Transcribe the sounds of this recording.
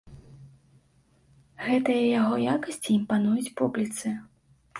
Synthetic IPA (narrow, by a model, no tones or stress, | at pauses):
ɣɛt̪ɨjɐjaɣɔjakɐsʲt͡sʲiːmpanujut͡sʲpublʲit̪sɨ